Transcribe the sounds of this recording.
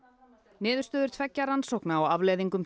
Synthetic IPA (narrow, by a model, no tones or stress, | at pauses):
nɪːðʏɾ̥st̪œːðʏɾ̥t̪ʰvɛcːaɾansowhknaaɣavlejðiŋkʏm